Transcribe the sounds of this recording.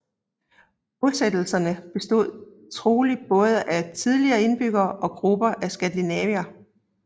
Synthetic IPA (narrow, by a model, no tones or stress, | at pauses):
olˠsed̥l̩sɐnəb̥e̝sd̥o̝ð̞̰ˠ | t͡sʰʁo̝ːli̥b̥ɔ̽ːð̞ˠəʔæt͡sʰið̞ˠliɐːe̝nb̥yɡ̥ɐːʔɒ̽ɡ̥ʁub̥ɐʔæsɡ̥ænd̥inɛʋiæ